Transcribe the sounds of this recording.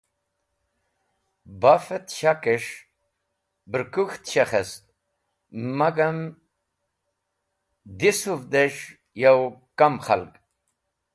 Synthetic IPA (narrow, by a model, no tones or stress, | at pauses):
bafet̪ɕakeʂ | bɾkuxt̪ɕaχest̪̚ | maɡam | d̪isufd̪eʂ | jawkamχa̰lk